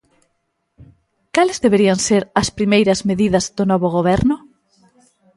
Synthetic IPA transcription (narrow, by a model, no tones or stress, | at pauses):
kalɪzðeβeɾiɐŋseɾɐspɾimejɾɐzmeðiðɐzðʊnɔβoɣ̞oβɛɾnʊ